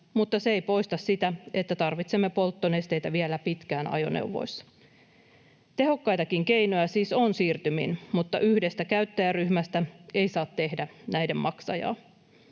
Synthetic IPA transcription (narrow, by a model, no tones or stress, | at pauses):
mut̪ːɑseejpo̞jst̪ɑssit̪æet̪ːæt̪ɑrʋit̪semːe̞po̞lt̪ːonest̪e̞jt̪æʋielæpit̪kæːnɑ̰jo̞̰nḛwʋo̞̰jsːɑ̥ | t̪e̞ɦo̞kːɑjt̪ɑkiŋke̞jno̞jæsiːsonsiːrt̪ymḭnmut̪ːɑ̰ʔyhdest̪ækæyt̪ːæjæryhmæst̪æe̞ijsɑːt̪ːe̞hdænæjdemmɑksɑ̰jɑ̰ː